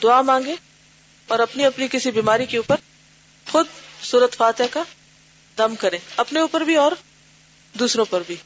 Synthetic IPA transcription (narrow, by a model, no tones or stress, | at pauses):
d̪ʊamãːŋɡẽː | ɔːɾɐpniɐpnikɪsibiːmaːɾikeuːpəɾ | xʊd̪̚suːɾət̪faːt̪ɪjaka | d̪ɐmkɐɾẽːɐpneuːpəɾbʱiɔːɾ | d̪uːsɾõpɐɾbʱiː